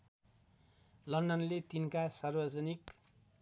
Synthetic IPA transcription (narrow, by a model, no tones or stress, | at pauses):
lʌndʌnlet̪inkasarbʌd͡zʌnik